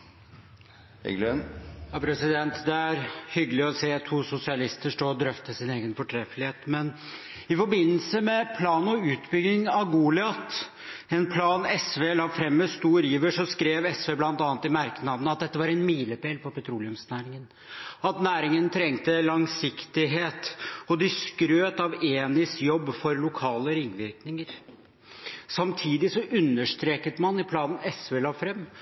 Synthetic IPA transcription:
ɛ̰ɡlønjɑːpʰɾɛsɪd̪ɛnt̪d̪ɛæɾhʏɡəlɪɔseːt̪ʰuːsʊsɪɑlɪst̪əʂʈoːd̪ɾœft̪əsɪneːɡənfɔʈʰɾɛfəlɪheːt̪mɛn | ɪfɔɾbɪnːəlsəmɛpʰlɑːnɔʉːt̪bʏɡnɪŋɑʋɡuːlɪɑt̪ | ɛnpʰlɑːnɛsʋeːlɑːfɾɛmːɛst̪uːɾiːʋəʂɔskɾeːʋɛsʋeːblɑnt̪ɑːnt̪ɪmæɾknɑd̪ənəɑt̪̚d̪ɛt̪ːəʋɑɾɛnmiːləpeːlpɔpɛt̪ʰɾuːlɪʉmsnæːɾɪŋən | ɑt̪næːɾɪŋənt̪ʰɾɛŋt̪əlɑŋsɪkt̪ɪɦeːt̪ɔd̪ɪskɾøːt̪ɑʋeːnɪskjɔbːfɔɾlʊkʰɑːləɾɪŋːʋɪɾknɪŋəɾ | sɑmt̪ʰiːd̪ɪsɔʔʉnːəʂt̪ɾeːkət̪mɑnɪpʰlɑːnn̩ɛsʋeːlɑːfɾɛmː

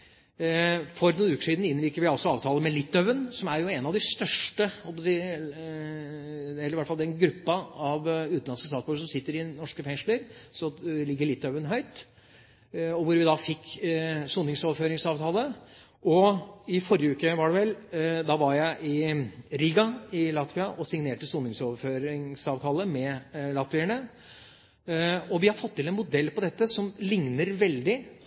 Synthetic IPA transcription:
fɔɾnuːnʉːkə̥ʂiːd̪n̩ɪnɾiːkəɾʋɪɑlsɔɑ̰ːʋt̪ʰɑːləmɛlɪt̪ːœʋənsɔmæɾjʊɛnɑʋd̪ɛst̪œʂʈəhɔlp̬ɑsiː | ɛlːəɾʋæʈːfɑld̪ɛnɡɾʉpːɑɑʋʉːt̪nɑnskəst̪ɑːsbʉːəʂsɔmsɪt̪ːəɾɪnɔʂkəfɛŋʂləɾsɔlɪɡːəɭɪt̪ːœʋənɦœʏt̪ | ɔʋʊɾʋɪd̪ɑfɪkːsuːnɪŋsoːʋəɾføːɾɪŋsɑːʋt̪ʰɑːlə | ʔɔɪfɔɾjəʉːkəʋɑɖɛʋɛld̪ɑʋɑɾjæɪʔɪɾiːɡɑɪlɑt̪ʋɪɑʔɔsɪŋneːʈəsuːnɪŋsoːʋəføːɾɪŋsɑːʋt̪ʰɑːləmɛlɑt̪ʋɪəɳə | ɔʋɪhɑɾfɔt̪ːɪlɛnmʊd̪ɛlːpɔd̪ɛt̪ːəsɔmlɪŋnəɾʋɛld̪ɪ

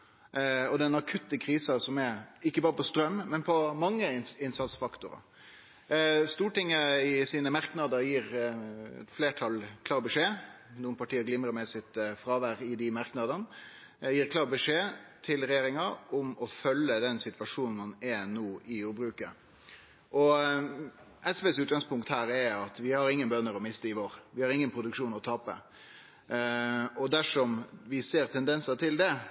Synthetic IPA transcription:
ɔd̪ɛnɑkʰʉt̪ːəkʰɾiːsɑsɔmɛɾɪkːəbɑːʁəpʰɔst̪ɾœmːmɛnpʰɔmɑŋːəɪnsɑt̪sfɑkt̪ʊɾɑ̰ | st̪uːʈɪŋːəɪsiːnəmɑɾknɑd̪əɾjiːɾɛ̰t̪fleːʈʰɑlkʰlɑːbəʂeː | nuːənpʰɑʈiːəɡlɪmɾəmɛsɪt̪fɾɑːʋæʁɪd̪ɪmɑɾknɑd̪ən | jiːɾkʰlɑːʁbəʂeːt̪ʰɪlɾɛjeːɾɪŋɑʊmɔfœlːəd̪ɛnsɪt̪ʋɑʂuːnn̩mɑnɛnoːɪjuːɾbɾʉːkə | ʔɔ | ʔɛsʋeːsʉːt̪̚ɡɑŋspʊŋkt̪hæːɾɛɑt̪ʋɪhɑɾɪŋːənbœnːəɾɔmɪst̪əɪʋoːɾʋɪhɑɾɪŋːənpʰɾʊd̪ʉkʂuːnɔt̪ʰɑːpə̰ | ɔd̪æʂɔmʋɪseːɾt̪ʰɛnd̪ɛnsət̪ʰɪld̪ɛ

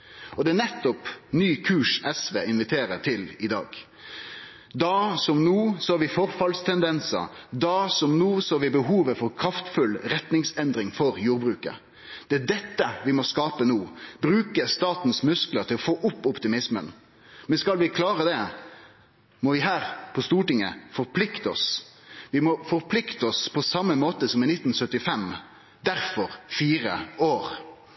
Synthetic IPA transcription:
ɔd̪ɛænɛt̪ːɔpnyːkʰʉːʂɛsʋeːɪnʋɪt̪ʰeːɾət̪ʰɪlɪd̪ɑ̰ːɡ | d̪ɑsɔmnuːsɔhɑɾʋɪfɔɾfɑlst̪ʰɛnd̪ɛnsə̰d̪ɑsɔmnuːsɔhɑʋɪbəɦuːʋəfɔɾkʰɾɑft̪fʉlɾɛt̪nɪŋsɛnd̪ɾɪŋfɔɾjuːɾbɾʉːkə̰ | d̪̥ɛæd̪ɛt̪ːəʋɪmɔskɑːpənuːbɾʉːkəst̪ɑːt̪n̩smʉskləʁɾt̪ʰɪlɔfoːʔʊpːɔpt̪ɪmɪsmə̰n | mɛnskɑlʋɪkʰlɑːʁəd̪ɛ | mɔʋɪɦæːʁpʰɔst̪uːʈɪŋə̰fɔɾpʰlɪkt̪əɔ̰sʋɪmɔfɔɾpʰlɪkt̪əɔspʰɔsɑmːəmoːt̪əsɔmɪnɪt̪ːn̩sœt̪ːɪfɛm | d̪æɾfɔɾfiːɾəoːʁ

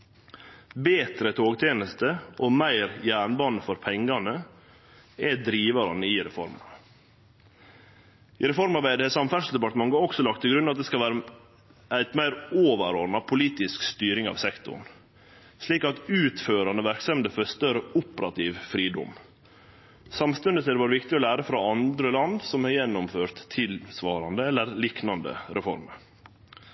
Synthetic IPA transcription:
beːt̪ɾət̪ʰoːɡt̪ʰjeːnəst̪əʔoːmæɪɾjæːɳbɑnəfɔɾpʰɛŋɡɑnə | ɛd̪ɾiːʋɑɾɑnəiɾɛfɔ̰ɾmɑnə | ɪɾɛfɔɾmɑɾbæɪd̪əɛsɑmfæʂ̩d̪ɛpɑʈ̪əmɑŋɡoːɾɔksɔlɑk̚t̪ʰːɪlɡɾʉnɑt̪̚d̪ɛskɑlʋæːɾə | æɪt̪mæɪɾoːʋəɾɔɾnɑpʰʊliːt̪ɪskst̪yːɾɪŋɑ̰ʋsɛkt̪ʊ̰ɳ | ʂɭiːkɑt̪ʉːt̪føːɾɑnəʋæɾksɛmd̪əfœst̪əɾəʊpəɾɑt̪ʰiːʋfɾiːd̪ɔ̰m | sɑmst̪ʉnd̪ət̪ʰɪd̪ɛbɑːɾəʋɪkt̪ɪolæːɾəfɾɑɑnd̪ɾəlɑnd̪sɔmhɑɾjɛnːɔmføːɾt̪ʰːɪlsʋɑːɾɑnd̪əɛlːəɾliːknɑnd̪ə̰ɾɛfɔ̰ɾməɾ

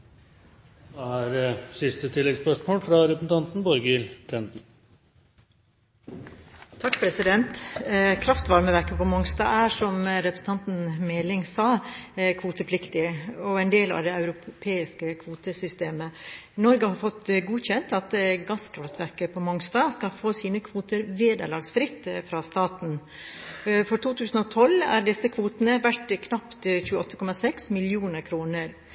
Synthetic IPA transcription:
ɛæɾsɪst̪ət̪ʰɪlːɛɡspœʂmoːlfɾɑɾɛpsn̩t̪ɑnt̪n̩bɔɾɡɪlt̪ʰɛnd̪n̩ | t̪ʰɑkːpɾɛsɪd̪ɛnt̪kʰɾɑft̪ʋɑɾməʋæɾkəpʰɔmɔŋst̪ɑ̰ːæʂɔmɾɛpɾə̥sn̩t̪ʰɑnt̪n̩mɛːlɪŋsɑːkʰʋuːt̪əpʰlɪkt̪ɪɔɛnd̪eːlɑ̰ʋd̪ɛɑʉɾʊpʰeːɪskəkʰʋuːt̪əsʏst̪eːmənɔɾɡəhɑɾfɔt̪ːɡuːçɛnt̪ɑt̪ɡɑskʰɾɑft̪ʋæɾkəpʰɔmɔŋst̪ɑːskɑlfoːsiːnəkʰʋuːt̪əɾʋeːd̪ə̰ɭɑːɡsfɾɪt̪ːfɾɑst̪ɑːt̪n̩ | fɔɾʈ̪uːt̪ʰʉːsn̩ɔt̪ʰɔlæ̰ːɖɪsːəkʰʋuːt̪ənəʋæʈkʰnɑpt̪çʉːəɔt̪ːəkʰɔmɑsɛksmɪlɪuːnəɾkʰɾuːnəɾ

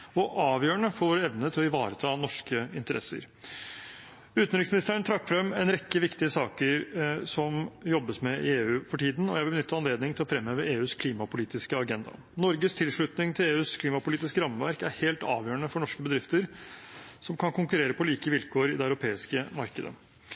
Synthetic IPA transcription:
ɔʔɑːʋjøːɳəfɔoːɾɛʋnət̪ʰɪlɔɪʋɑːɾət̪ʰɑːnɔʂkəɪnt̪əɾʔɛ̰sːə̰ɾ | ʉːt̪nɾɪksmɪnɪst̪əəɳt̪ʰɾɑkːfɾɛmːɛnɾɛkːəʋɪkt̪ɪəsɑːkəɾsɔmjɔbːəsmɛɪeːʉːfɔʈʰiːd̪n̩ɔ̰jæɪʋɪlbənʏt̪ːɑɑnleːd̪nɪŋt̪ɪlɔfɾɛmhøːʋəeːʉːskʰliːmɑpʊliːt̪ɪskəɑɡɛnd̪ɑ̰ | nɔɾɡəst̪ʰɪlʂɭʉt̪nɪŋt̪ʰɪleːʉːskʰliːmɑpʊliːt̪ɪskəɾɑmːəʋæɾkæɾheːlt̪ɑ̰ːʋjøːəɳəfɔɳɔʂkəbəd̪ɾɪft̪əɾ | sɔmkʰɑnkʰʊŋkʉɾeːɾəpʰɔliːkəʋɪlkʰoːɾɪd̪ɛɑʉɾʊpʰeːɪskəmɑɾkəd̪ə̰

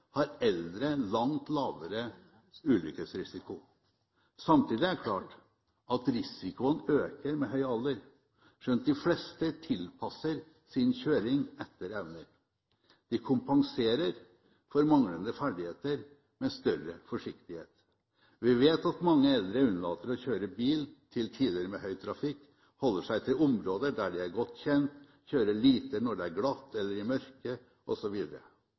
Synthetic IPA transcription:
hɑɾɛld̪ɾəlɑŋt̪lɑːʋəɾə | ʉːlʏ̰kəsɾɪsɪkʊ | sɑmt̪ʰiːd̪ɪæɾkʰlɑ̰ːʈ | ɑt̪ɾɪsɪkʊənøːkəɾmɛɦœʏɑld̪əɾ | ʂɛnt̪̚d̪ɪflɛst̪ət̪ʰɪlpʰɑsːəɾ | sɪnçøːɾɪŋɛt̪ːəɾɛʋnəɾ | d̪̥ɪkʰʊmpɑŋseːɾəɾ | fɔɾmɑŋlənd̪əfæɖɪheːt̪əɾ | mɛst̪œɾəfɔʂɪkt̪ɪhḛːt̪ | ʋɪʋeːt̪ɑt̪mɑŋːəɛld̪ɾəʉnːəlɑ̰ːt̪əɾɔçøːɾəbiːlt̪ʰɪlt̪ʰiːd̪əɾəmɛhœʏt̪ʰɾɑfɪkː | hɔlːəʂæɪt̪ʰɪlʊmɾoːd̪əɖ̪æɖɛæɾɡɔt̪ːçɛnt̪ | çøːɾəɭiːt̪ənɔɖɛæɾɡlɑt̪ʰːɛlːəɾɪmœɾkə | ʔɔsɔʋiːd̪əɾə̰

